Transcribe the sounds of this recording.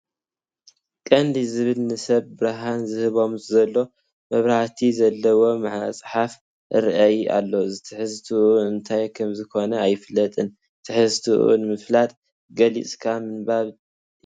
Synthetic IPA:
kʼɐnd̪izɨβɨlnɨsɐβbɨɾaɦanzɨhɨβo̞mzɐlːo̞ | mɐβɾaħt̪ʰizɐlːɐwo̞maʕ̰sʼħaf | ɨɾʔajʔa̰lːo̞zɨt̪ʰɨħɨzt̪ʰuuɨnt̪ʰajkʰɐmzɨkʰo̞nɐajɪfɨlːɐt̪ʼɨn | t̪ʰɨħɨzt̪ʰuʔṵnmɨflat̪ʼ | ɡɐlḭt͡sʼkʰamɨnbaβ

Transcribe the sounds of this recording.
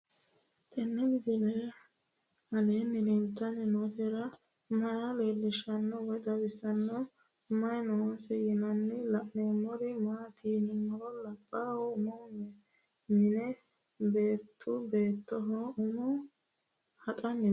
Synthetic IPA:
t̪ɛnːɪmzɪlɛj | hɐleːnːɪdɛmt̪ːɐnɪnotɛɾɐ | mɐjaleːlːɪʃɐnːɔwɔjd̪ɐbɪsɐnːɔ | ʊmɐjnoːsɛjɪnɐnːɛlɐʔnɛmɔɾɪmaːt̪inmɔɾɔlɐpʼːawɔʊmɔnɛ | mɪnɛ | beːt̪ʰːʊbe̞ːt̪ːɔɦɔʊmɔ | hɐt̪ʼɐnːɪ

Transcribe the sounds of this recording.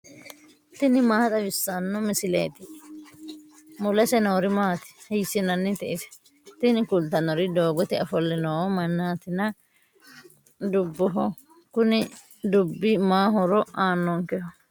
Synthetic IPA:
t̪ɪnɪmaːhɐt̪ɐʋɪsːɐnːɔmɪsɪlḛːt̪ɪ | mʊlɛsɛnoːɾɪmaːt̪ɪ̥hɛjsɪnɐnːɪt̪ɛʔɪsɛ̥ | t̪ɪnɪkʊlt̪ɐnɔɾɪd̪oːɡɔt̪ɪɐfɔlːɛnoːmɐnːaːt̪ɪnɐ | d̪ʊbːɔɦɔ | kʊnɪ | d̪ʊbːɪmaːɦɔɾɔʔaːnːɔŋkɛhɔ

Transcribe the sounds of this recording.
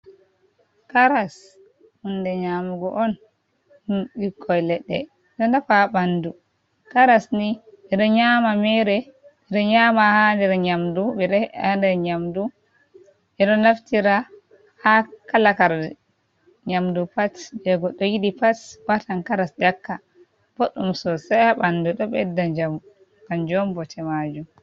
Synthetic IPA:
kaɾas | hundɛɲaːmuɡɔʔɔn | huɗikʰːɔjlɛɗːɛ̰ | ɗɔndafabandu | kaɾasniɓɛɗɔɲamamɛɾɛ | ɛɗɔɲamahandɛɾɲamduɓɛɗɛandɛɾɲamdu | ɓɛɗɔnaftiɾa | hakalakaɾdɛ | ɲamdupasbɛɡɔɗɔjiɗipaswatankaɾasdakːa | b̥oɗːumsɔsajhaɓanduɗɔɓɛdːad͡ʒam | kand͡ʒɔmbɔtʰɛmad͡ʒum

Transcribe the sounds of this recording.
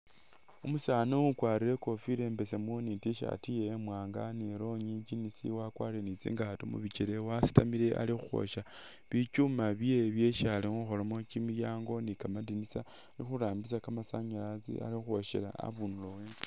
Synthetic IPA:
umusaːnoukwaːɾiɾeko̞fiɾe̞mbe̞semonitiʃa̰tijeːmwaːŋɡa̰neɾo̞ɲid͡ʒinisḭwakwa̰ːɾienit͡sḭːŋɡaatomṵβit͡ʃiɾewasi̥tamiɾe̞ʔa̰lixuxo̰ʃa | βit͡ʃumaβeβje̞ʃalioxolamot͡ʃimijaːŋɡo̞nikamadinisa | nixuɾaːmbisakamasaɲalat͡sḭa̰lixuxoʃḛla̰a̰βunuloweːnzi

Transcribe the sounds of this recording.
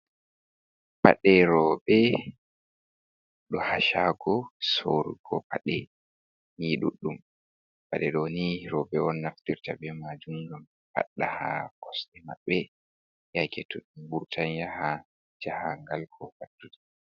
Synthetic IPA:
pa̰ɗɛɾɔbɛ | ɗɔhaʃaɡɔsoɾɡɔ̰paɗɛ | niɗṵɗːum | paɗɛɗɔniɾɔbɛɔnːaftiɾtabɛmad͡ʒuŋɡam | pa̰ɗːaha̰kɔsɗɛma̰ɓːɛ | jakʰɛtːuɗumbuɾtʰanjaha | d͡ʒahaŋɡalkʰɔkatːudi

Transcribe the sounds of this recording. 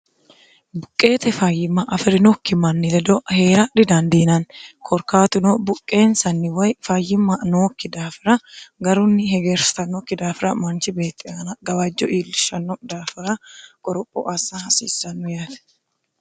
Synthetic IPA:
bʊkʼːe̞ːt̪ɛfajːɪmːɐʔɐfɪɾɪnɔːkːɪmɐnːɪlɛd̪ɔhe̞ːɾɐᶑɪd̪ɐnd̪iːnɐnkʰɔɾkaːt̪ʊnɔbʊkʼːe̞ːnsɐnːɪwɐjfɐːjːɪmːɐnoːkːɪd̪aːfɪɾɐɡɐɾʊnːɪhɛɡeːɾst̪ɐnːɔkːɪd̪aːfɪɾɐmɐnt͡ʃɪbe̞ːt̪ʼːɪɐnɐɡɐwad͡ʒːɔ̰ʔiːlːɪʃːɐnːɔd̪aːfɪɾɐkʼɔɾɔpʼːɔ̰ʔɐsːɐhɐsḭːsːɐnːʊjaːt̪ɛ̥

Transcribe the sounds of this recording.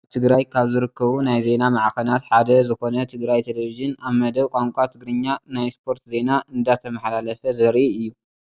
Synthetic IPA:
t̪ʰɨɡɾajkʰaβzɨɾɨkːɐβunajze̞namaʕkɐnat̪ħad̪ɐzɨxo̞nɐt̪ʰɨɡɾajt̪ʰeleβiʒɨnaβmɐd̪ɐβkʼaŋkʷʼat̪ʰɨɡɾɨɲːanajspʰo̞ɾt̪ze̞naʔɨnd̪at̪ʰːɐmɐħalalɐfɐzɐɾʔiɨjːu

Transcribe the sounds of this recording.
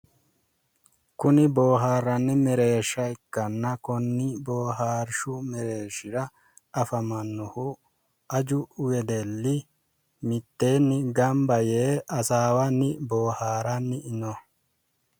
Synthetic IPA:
kʊnɪboːɦaːɾːɐnːɪmɛɾe̞ːʃːɐɪkːɐnːɐkɔnːɪboːɦaːɾʃʊmɛɾe̞ːʃɪɾɐ | ɐfɐmɐnːʊhʊ | ʔɐd͡ʒʊʊwɛd̪ɛlːɪ | mɪt̪ːe̞ːnːɪɡɐmbɐjeːɐsaːwɐnːɪboːhaːɾɐnːɪʔɪnɔ

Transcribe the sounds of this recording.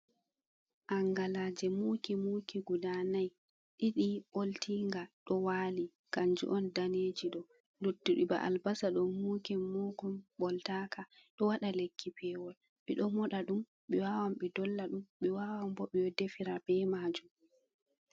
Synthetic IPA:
ʔaŋɡalad͡ʒɛmuːkimuːkiɡudanaj | ɗiɗiɓoltiŋɡaɗɔwaːli | kaɲd͡ʒṵʔɔndaneːd͡ʒiɗɔ | notːiɗiba̰ʔa̰lbasaɗɔmuːkɛmɔkɔmɓɔltakaɗɔwaɗalekʰːipʰɛwɔl | ɓɛɗɔmɔɗaɗum | ɓɛwawamɓɛdɔlːaɗumɓɛwawambɔɓɛjɔdefiɾabɛmad͡ʒum

